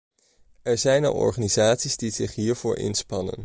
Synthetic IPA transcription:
ɛɹzɛjnɑ̰lˠɔ̰ɹχaːnizaːtsizdiz̥ɪχɦiːɹv̥ʊːɹɪ̰nspɑnə̰n

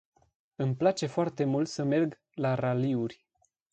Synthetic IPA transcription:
ɨmplat͡ʃe̞foart̪e̞mult̪səme̞rɡ | laraliurʲ

